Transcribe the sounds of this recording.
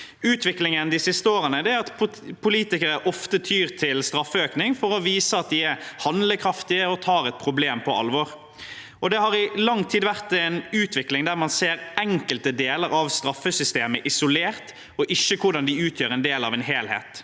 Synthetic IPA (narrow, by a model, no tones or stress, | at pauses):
ʉːt̪ʰʋɪklɪŋənd̪ɪsɪst̪əoːʁənəd̪ɛæɑt̪ | pʰʊliːt̪ɪkəɾəʔɔft̪ət̪ʰyːʁt̪ʰɪlst̪ɾɑfːəøːknɪŋfɔɾɔʋiːsəɑt̪̚d̪ɪæɾhɑnd̪ləkʰɾɑft̪ɪəɔt̪ʰɑːɾɛt̪̚pʰɾʊbleːmpʰɔɑ̰lʋɔːɾ | ɔd̪ɛhɑʁɪlɑŋːt̪ʰiːd̪ʋæʁt̪ɛnʉːt̪ʰʋɪklɪŋd̪æʁmɑnseːɾɛŋkəlt̪əd̪eːləɾɑʋst̪ɾɑfːəsʏst̪eːməʔɪsʊleːʁt̪ | ɔʔɪçːəkʰʊɖɑnd̪ɪʉːt̪ʰjøːɾɛnd̪eːlɑ̰ʋɛnɦeːlhḛːt̪